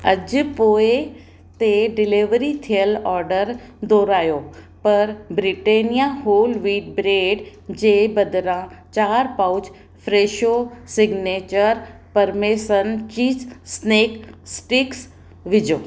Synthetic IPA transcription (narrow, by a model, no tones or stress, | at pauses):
ɐ̰d͡ʑ̆poːɪ | t̪eɖɪliʋɾit̪ʰijəlɔːɾɖəɾd̪oːɾaːjo | pɐɾbɾɪʈeːnijaɦoːlʋiːɖ̚bɾeːɖd͡ʑeːbɐd̪ʱɪɾãt͡ɕaːɾpaʊd͡ʑ | fɾeːʃosɪɡneːt͡ɕəɾ | pɐɾmeːsənt͡ɕiːzsneːksʈɪks | ʋɪd͡ʑoː